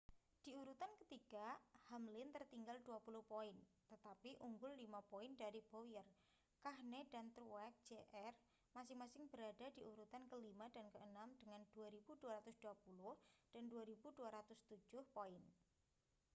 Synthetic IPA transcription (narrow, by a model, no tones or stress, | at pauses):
d̥iuɾut̪ankət̪iɡahamlɪnt̪ərt̪iŋɡalduapulʊhpoɪnt̪ət̪apiʔuŋɡʊlːimapoɪndaɾib̥ojər | kahnedant̪ɾuwɛk̚d͡ʒeʔɛr | masɪŋmasɪŋb̥əɾadadiʔuɾut̪ankəlimad̥ankəənamd̥əŋand̥uaɾibuduaɾat̪ʊsd̥uapulʊhd̥anduaɾibuduaɾat̪ʊst̪u̥d͡ʒ̥ʊhpoɪn